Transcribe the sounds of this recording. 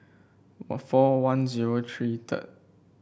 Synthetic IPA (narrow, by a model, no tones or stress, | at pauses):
fɔwãnziɹotʰɹitʰə̰t̚